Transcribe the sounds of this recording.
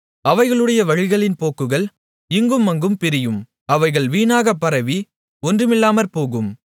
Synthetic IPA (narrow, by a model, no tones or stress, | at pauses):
ɐʋɐɪɣɐɭɯɽɐjɐʋɐɻɪɣɐɭɪnpoːkːɯɣɐɭ | ɪŋɡɯmːɐŋɡɯmpɪɾɪjɯm | ɐʋɐɪɣɐɭʋiːnaːɣɐpːɐɾɐʋi | ɔndrɯmɪlːaːmɐɾpoːɣɯm